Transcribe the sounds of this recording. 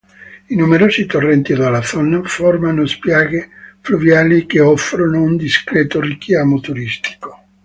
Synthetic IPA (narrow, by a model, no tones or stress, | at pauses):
inumeɾoːsit̪orːɛnt̪id̪alaθɔnafɔrmanospjaːɡefluvjaːlik̟eɔfɾonound̪iskɾɛːt̪orikjaːmot̪uɾist̪i̥ko̥